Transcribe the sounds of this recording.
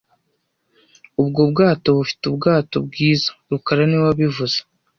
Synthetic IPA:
ubɡo̞bɡaːto̞βufi̥tubɡaːtobɡiːzḁɾukaɾanewaβivuz̥ḁ

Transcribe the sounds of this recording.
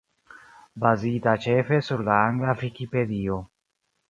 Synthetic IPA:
bazitat͡ʃe̞fe̞suɾlaaŋɡlavikipe̞dio̞

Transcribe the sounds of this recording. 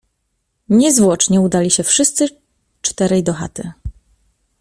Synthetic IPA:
ɲɛzvwɔt͡ʂɲɛud̪alʲiɕɛfʂɘst̪sɘ | t͡ʂt̪ɛɾɛjd̪ɔxa̰t̪ɘ

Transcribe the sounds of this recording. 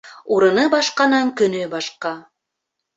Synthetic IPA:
uɾɤ̆nɤbɑʃqɑnɑŋkɵ̆nɵbɑʃqɑ

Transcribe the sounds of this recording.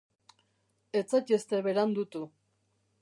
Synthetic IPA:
et͡sacest̪eβeɾand̪ut̪u

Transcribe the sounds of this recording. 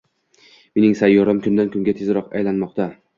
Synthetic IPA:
me̞nɪŋsajːɒɾamkʲʰʊnd̪ankʰʲʊŋɡʲat̪ʰezɾɒqajlanmɒq̚t̪a

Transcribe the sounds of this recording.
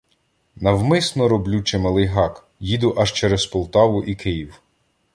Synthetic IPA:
nɐwmɪsnɔɾɔblʲut͡ʃemɐlˠɪjɦɑk | jid̪ʊʔɐʃt͡ʃɛɾɛspɔlˠt̪ɑʋʊʔikɪjiw

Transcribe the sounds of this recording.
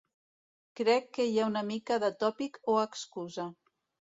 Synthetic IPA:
kɾɛkːəjaunəmikaðət̪ɔpikoəkskuza

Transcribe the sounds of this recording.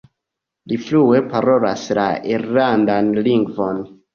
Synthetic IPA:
liflue̞paɾo̞lasla̰iɾlandanliŋɡvo̞n

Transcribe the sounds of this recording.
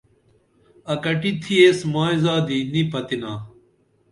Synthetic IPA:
ɐkɐʈit̪ʰːieːsmaːizaːd̪inipɐt̪inaː

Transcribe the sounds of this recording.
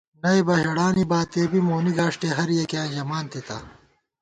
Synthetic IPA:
nɐebɐɦeɽaːnibaːt̪eːbimoːniɡaːʂʈeɦɐɾjekãːʑɐmaːnt̪it̪ɐ

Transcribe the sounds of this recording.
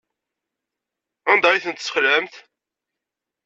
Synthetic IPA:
ænd̪ɑjiθənt̪sə̥χlæmt̪

